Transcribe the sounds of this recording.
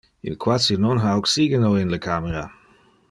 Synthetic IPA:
ɪ̰nkʰwasinɔnɦaoksiːɡənoːɪnləkʰaːməɾa

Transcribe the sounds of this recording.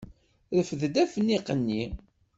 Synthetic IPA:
ðəfəðd̪æfnːiqənːi

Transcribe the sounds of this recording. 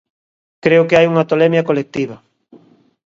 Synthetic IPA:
kɾeʊkɪajuŋɐt̪olɛmjɐkolek̚t̪iβɐ

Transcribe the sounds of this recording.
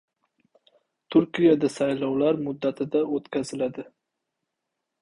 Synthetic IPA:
t̪ʰʊɾkʲijad̪asajlɒwlaɾmʊd̪ːat̪ʰɪd̪aot̪kʲazɪlad̪ɪ

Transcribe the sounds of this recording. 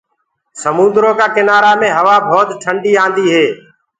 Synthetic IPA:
səmũnd̪ɾõːkaːkɪnaːɾaːmẽːɦəʋaːbʱɔːt̪ʈʰəɳɖiːãːnd̪iːɦeː

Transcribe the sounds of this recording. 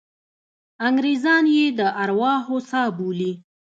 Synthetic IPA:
aŋɡɾezɑnjed̪əʔaɾwɑɦosɑbuli

